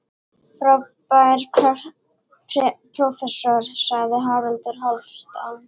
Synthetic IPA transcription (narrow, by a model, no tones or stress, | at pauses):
fɾɔpajɾ | pʰɾɔfɛsɔɾ̥saɣðɪɦawɾɛlt̪ʏɾ̥ɦawsst̪an